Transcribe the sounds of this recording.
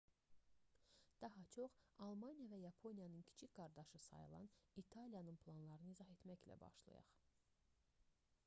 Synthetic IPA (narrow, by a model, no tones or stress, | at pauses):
d̪̥ɑɦɑt͡ʃʰo̞χɑlˠmɑnijɑvæjɑpʰo̞nijɑnɯncʰi̥t͡ʃʰicɡ̥ɑɾd̪ɑʃɯsɑ̰jɯ̰lˠɑ̰nit̪ʰɑlijɑnɯnpʰlˠɑnlˠɑɾɯnɯizɑɦe̞t̪mæçlæ̰bɑ̰ʃlˠɑ̰jɑ̰χ